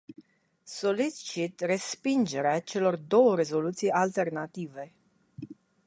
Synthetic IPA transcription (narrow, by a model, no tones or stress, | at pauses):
so̞lit͡ʃit̪re̞spind͡ʒe̞ɾeat͡ʃe̞lo̞rd̪o̞wəɾe̞zo̞lut̪sijalt̪e̞rnat̪ive̞